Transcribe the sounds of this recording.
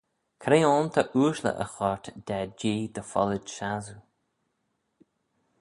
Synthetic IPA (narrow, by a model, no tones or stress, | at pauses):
kʰɾeːɔːnt̪ʰaʔuːʃlə̰ʔə̰xɔɹt̪d̪ad͡ʒiːd̪əfɔ̰lədʃazu